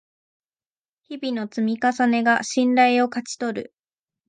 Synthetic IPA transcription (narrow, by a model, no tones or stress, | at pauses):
çibʲino̞t͡sɨmʲikasane̞ɡaɕĩnɾaio̞kat͡ɕi̥t̪o̞ɾɯ̰